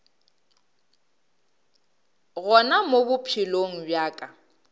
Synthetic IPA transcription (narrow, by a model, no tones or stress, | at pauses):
ɣɔnamobʊpʰiloŋ̩bjaːkʼa